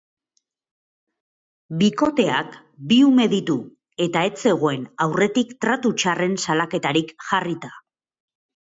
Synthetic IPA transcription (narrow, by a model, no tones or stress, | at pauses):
biko̞t̪e̞ak | biume̞ðit̪u | e̞t̪aet͡se̞ɣ̞o̞e̞nawre̞t̪ikt̪ɾat̪ut͡ʃare̞nsalake̞t̪aɾikʝarit̪a